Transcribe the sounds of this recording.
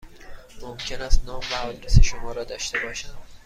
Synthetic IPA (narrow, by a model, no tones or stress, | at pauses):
momcʰe̞næst̪nɒːmvæɒd̪ɾeseʃomɒːɾɒːd̪ɒːʃt̪e̞bɒːʃænd̪̥